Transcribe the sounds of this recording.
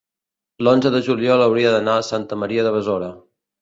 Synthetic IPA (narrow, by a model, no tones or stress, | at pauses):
lonzəðəʒuliɔlˠəwɾiəðənaəsant̪əməɾiəðəβəzoɾə